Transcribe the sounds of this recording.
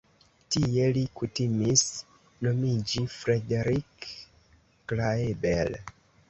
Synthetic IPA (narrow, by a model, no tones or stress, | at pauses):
tijelikutimis | nomid͡ʒifɾedeɾikː | laebḛl